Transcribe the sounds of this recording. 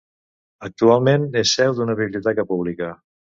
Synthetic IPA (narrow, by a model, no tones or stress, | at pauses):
ək̚t̪ualˠmenesːɛwd̪unəβiβljit̪akapuβ̞lika